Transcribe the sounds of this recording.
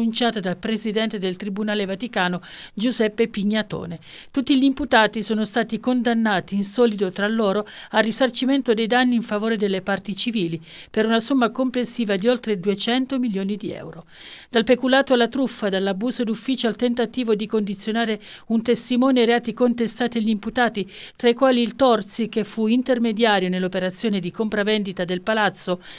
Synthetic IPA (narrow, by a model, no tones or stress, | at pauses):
unt͡ʃaːt̪ad̪alpɾezid̪ɛnt̪ed̪elt̪ɾibunaːlevat̪ikaːnod͡ʒuzɛpːepiɲːat̪o̰ːne | t̪ut̪ːiʎimput̪aːt̪isoːnost̪aːt̪ikond̪anːaːt̪iːnsɔːlid̪ot̪ɾalːoːɾoarːisart͡ʃiment̪od̪ejd̪anːiːɱfavoːɾed̪elːepart̪it͡ʃiviːli | peɾunasomːakomplesːiːvad̪iolt̪ɾed̪uet͡ʃɛnt̪omiljoːnid̪iɛ̰wɾo | d̪̥alpekulaːt̪oalːat̪ɾufːad̪alːabuːzod̪ufːiːt͡ʃoalt̪ent̪at̪iːvod̪ikond̪it̪sːjonaːɾe | unt̪est̪imɔːnieɾeaːt̪ikont̪est̪aːt̪iaʎːimput̪aːt̪it̪ɾaikwaːliːlt̪ɔrt̪sikefːuint̪ermed̪jaːɾjonelːopeɾat̪sːjoːned̪ikompɾavend̪it̪ad̪elpalat̪sːo